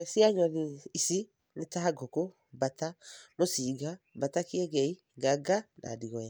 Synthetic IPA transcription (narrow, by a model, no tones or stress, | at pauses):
siaɲɔniisi | netaaɡɔko | batanosiːɡabatakeɡɛi | ɡaɡana̰diɔja